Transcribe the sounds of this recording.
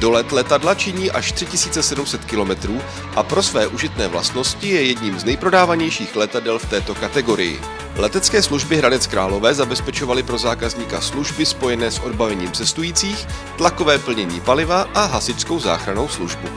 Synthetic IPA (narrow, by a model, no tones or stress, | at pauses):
do̞lɛt̪lɛt̪adlat͡ʃɪɲiːʔaʃt̪r̝̥ɪcɪsiːt͡sɛsɛdumsɛt̪kɪlo̞mɛt̪ɾuː | ʔapɾo̞svɛːʔuʒɪt̪nɛːvla̰st̪no̞scɪjɛjɛdɲiːmznɛjpɾo̞daːvaɲɛjʃiːxlɛt̪adɛlft̪ɛːt̪o̞kat̪ɛɡo̞ɾɪ̰jɪ̰ | lɛt̪ɛt͡skɛːsluʒbɪɦɾadɛt͡skɾaːlo̞vɛːzabɛspɛt͡ʃo̞valɪpɾo̞zaːkazɲiːka̰sluʒbɪspo̞jɛnɛːsʔo̞dbavɛɲiːmt͡sɛst̪ujiːt͡siːx | t̪lako̞vɛːpl̩ɲɛɲḭːpalɪvaʔaɦasɪt͡ʃsko̞wza̰ːxɾano̞wsluʒbu